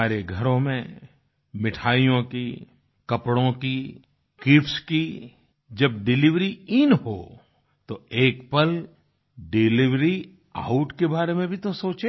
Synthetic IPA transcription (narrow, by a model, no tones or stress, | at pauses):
aːɾeɡʱɐɾõmẽ | mɪʈʰaːijõki | kɐpɽõki | kipski | d͡ʒɐbɖɪlɪʋɾiɪnɦo̰ː | t̪oeːkpɐl | ɖɪlɪʋɾi | aʊʈkebaːɾemẽbʱit̪osoːt͡ʃe